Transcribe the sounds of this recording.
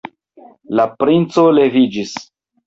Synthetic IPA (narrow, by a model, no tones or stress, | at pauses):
lapɾint͡so̞le̞vid͡ʒis